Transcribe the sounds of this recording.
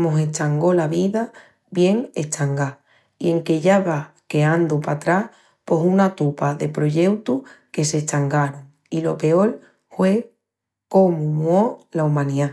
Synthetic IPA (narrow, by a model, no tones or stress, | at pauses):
moɦe̞t͡ʃaŋɡo̞laβiða | βje̞ŋe̞t͡ʃaŋɡa | ie̞ŋke̞ʎaβake̞and̪upat̪ɾah | po̞sunat̪upaðe̞pɾo̞ʎe̞wt̪uhke̞se̞t͡ʃaŋɡaɾoŋ | ilo̞pe̞o̞l | hwe̞ | ko̞mumwolaumãnia